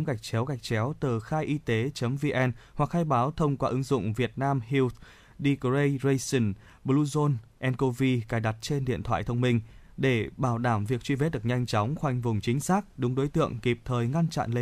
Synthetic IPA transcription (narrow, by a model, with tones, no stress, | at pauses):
ŋ͡mɣa˨˩jk̚t͡ɕɛ˨˦wɣa˨˩jk̟̚t͡ɕɛ˨˦wt̪ɨ˨˩xaː˧jʔi˧t̪e˨˦t͡ɕə˨˦mvi˧ʔɛ˧nhwa˨˩k̚haː˧jɓaː˨˦wt̪ʰə˧wŋ͡mkwaː˧ʔɨ˨˦ŋzʊ̰˧˨ŋ͡mvi˨˩ət̚naː˧mɦi˧wt̪̚ | ɗi˧kzə˧jzə˧jsə˧˩n | ɓlu˧zo˧nʔɛ˧nko˧vi˧kaː˨˩jɗa˨˩t̚t͡ɕe˧nɗḭ˧˨ənt̪ʰwa̰ː˧˨jt̪ʰə˧wŋ͡mmï˧ŋ̟ | ɗe˧˩ɓaː˧˩wɗaː˧˩mvi˨˩ək̚t͡ɕwi˧ve˦˥t̚ɗɨ˨˩ək̚ɲa˧jŋ̟t͡ɕɔ˨˦wŋ͡mxwa˨˩jŋ̟vʊ˨˩ŋ͡mt͡ɕï˨˦ŋ̟saː˦˥k̚ɗʊ˨˦ŋ͡mɗo˨˦jt̪ɨ̰˧˨əŋki˨˩p̚t̪ʰəː˨˩jŋa˧nt͡ɕa̰˧˨nle˧